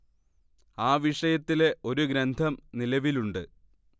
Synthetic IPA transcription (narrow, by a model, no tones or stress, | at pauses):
aːʋiʂɐjɐt̪ːile̞ʔo̞ɾuɡɾɐnd̪ʱɐmnilɐʋiluɳɖɨ